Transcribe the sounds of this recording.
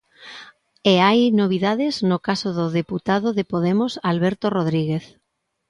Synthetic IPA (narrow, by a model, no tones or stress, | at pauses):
eajnoβ̞iðaðɪznokasoðʊðeput̪aðoðepoðemosalβɛɾt̪oroð̞ɾiɣeθ